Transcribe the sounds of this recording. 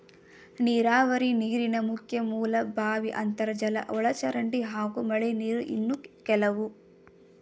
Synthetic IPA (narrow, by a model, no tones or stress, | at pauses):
niːɾaːʋɐɾiniːɾinɐmukʰjɐmuːlɐbʱaːʋiʔɐnt̪ɐɾɐd͡ʒɐlɐ̰ʔɔɭɐt͡ʃɐɾɐɳɖiɦaːɡumɐɭeniːɾuʔḭnːukɛlɐʋu